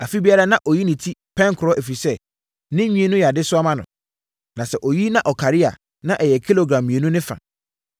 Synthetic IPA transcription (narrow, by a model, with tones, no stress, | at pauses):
a˨fi˦bi˦a˦ɾa˦nã˦ʔɔ˨ji˦nɪ̃˨tʰi˦pʰɛ̃˦ŋkʰɔ˦ʔe˨fi˨sɛ˦ | nɪ̃˦mĩ˦e˨nʊ̃˦ja˨dɪ˦sʊ˦a˦mã˦nʊ̰̃˨ | nã˨sɛ˨ʔo˨ji˦nã˦ʔɔ˨kʰa˨ɾɪ˦a̰˨ | nã˦ʔɛ˨jɛ˨kʰi˦lo˨ɡɾã˨mːĩ˨e˨nũ˦nɪ̃˦fã̰˨